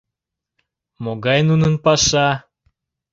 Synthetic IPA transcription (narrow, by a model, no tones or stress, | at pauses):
moɣɑjnunənpɑʃɑ